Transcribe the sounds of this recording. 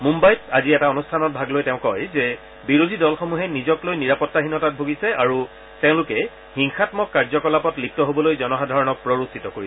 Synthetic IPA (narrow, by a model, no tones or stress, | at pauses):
mũmbajtaziɛtaonustʰanɔt̚bʱaɡlojtɛʊ̃kɔjzɛ | biɹodʱidɔlxomuɦɛnizɔklojniɹapɔtːaɦinɔtat̚bʱoɡisɛaɹu | tɛʊ̃lʊkɛ | xiŋxatmɔkːaɹzɔkɔlapɔtlip̚tɔɦobɔlojzɔnɔxadʱaɹɔnɔk̚pɹoɹusitɔkoɹisɛ